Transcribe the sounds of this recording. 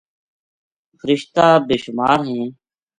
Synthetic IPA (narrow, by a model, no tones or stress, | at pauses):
fʰəɾɪʃt̪aːbeːʃʊmaːɾɦẽː